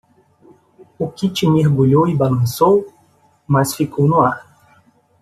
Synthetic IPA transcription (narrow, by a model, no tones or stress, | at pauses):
ukɪt͡ʃimehɡuʎowibalɐ̃sow | mɐsfikʰownuaɾ